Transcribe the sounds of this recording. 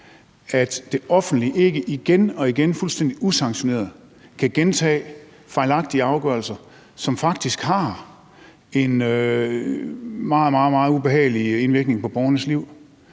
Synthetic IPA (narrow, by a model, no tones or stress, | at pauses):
æd̥d̥e̝ʔɒ̽fn̩d̥liʔe̝ɡ̥əʔiɡ̥enɒ̽iɡ̥enfulsd̥en̰d̥iʔusɑ̈ŋɕo̝ne̝̰ːɐð̩ˠ | kʰæɡ̥ent͡sʰɛ̰ː | fɑ̈ɪlɑ̈ɡ̥̚d̥iəɑ̈ʊɡ̥ɶɐl̩sɐ | sɒ̽mfɑ̈ɡ̥̚d̥isɡ̥hɑ̈ | e̝nø | mɑ̈ːð̩ˠmɑ̈ːð̩ˠmɑ̈ːð̞̩ˠub̥e̝hɛ̰ːɪlie̝nʋiɐɡ̥ne̝ŋpɒ̽b̥ɒʊɐnəsliʊ̰